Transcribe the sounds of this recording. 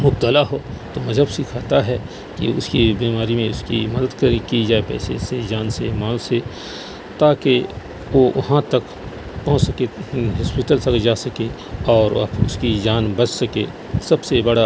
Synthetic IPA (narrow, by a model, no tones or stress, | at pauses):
mʊb̚t̪əlaɦot̪omɐzʱɦəbsiːkʰaːt̪aɦɛ | kḭʊ̰skibiːmaːɾimẽʊskimɐd̪əd̪kɐkid͡ʒaːepɛ̰ːsesed͡ʒaːnsemaːlse | t̪aːke | ʋoʔʊ̰ɦãt̪ɐk | pɐɦʊ̃t͡ʃsɐkeɦɐspɪʈəlsɐkd͡ʒaːsɐke | ɔːɾɐ̰bʊ̰skid͡ʒaːnbɐt͡ʃsɐke | sɐbsebɐɽa